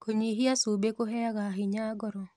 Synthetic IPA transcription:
koɲeɦiasubekoɦɛaɣaɦɪɲaɡɔɾɔ

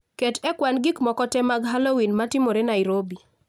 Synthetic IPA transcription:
ketɛkwanɡikmɔkɔtɛmaɡɦalowinmatɪmoɾenaɪɾobi

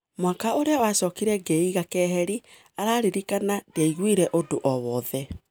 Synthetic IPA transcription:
mwakaoɾeawasɔkiɾɛɡeiɣakɛːɦɛɾi | aɾaːɾeɾikanadeaiɣwiɾɛʔodoʔɔβɔðɛ

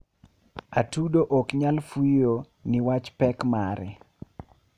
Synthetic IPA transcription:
atudoʔɔkɲalfujo | nɪwat͡ʃpɛkmaɾɛ̰

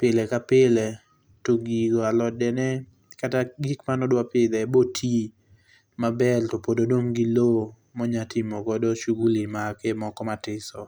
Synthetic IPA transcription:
pɪlɛkapɪlɛ | toɡiɡoalɔdɛnɛ | kataɡikmanɔdwapɪd̪ɛbotʰi | mabɛltopododoŋɡilo | mɔɲatʰɪmɔkɔdɔʃuɡulimakemɔkɔmatɪsɔ

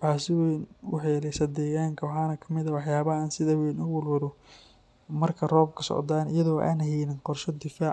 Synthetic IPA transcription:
tʰaːsɪwɛnwħɑlɛsɐd̪ɛːɣaːŋkʰɐwɑħɑːnɐkʰɐ̥mɪðɐwɑħjaːβɐaːnsɪðɐwɛnʊwʊlwʊɾɔ | mɐrkʰɐrɔːb̚kʰɐsɔ̰ʕd̪aːnɪ̰jɐðɔːʔa̰ːnhɛjnɪnqɔrʃɐd̪ɪfaːʕ

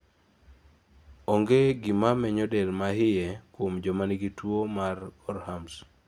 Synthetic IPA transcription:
ɔŋɡeɡɪmamɛɲɔdɛlmahɪjɛkwomd͡ʒɔmaniɡitwomarɔɾhams

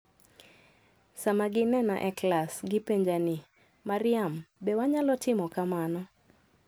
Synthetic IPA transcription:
samaɡɪnɛna̰ʔɛklasɡɪpeɲd͡ʒani | maɾɪambewaɲalɔtɪmɔkamanɔ

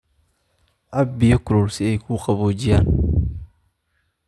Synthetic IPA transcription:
ʔɐbɪjɔkʊɾɔrsɪɛjkʰuːqɑβoːd͡ʒɪjaːn

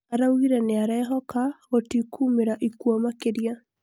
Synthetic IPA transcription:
aɾawiɾɛneaɾɛɦɔkaotikʰuːmeɾaʔikuɔmakeɾia

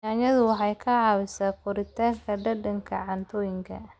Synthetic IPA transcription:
aːɲɐðʊwɑħɑjkʰɐʕɑːwɪsaːkʰʊɾɪt̪ʰaːŋkʰɐɖɐɖɐŋkʰɐʕɑnt̪ʰɔːjɪŋkʰɐ̰

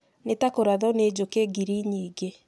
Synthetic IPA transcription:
netakoɾaðɔned͡ʑokeɡiɾiɲiːɡe

